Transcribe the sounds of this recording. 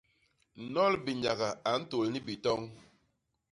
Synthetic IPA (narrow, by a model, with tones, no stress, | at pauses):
n̩˨nɔ˦lbi˨ɲa˨ɣa˨a˨n̩˦to˨lni˦bi˨tɔ˦ŋ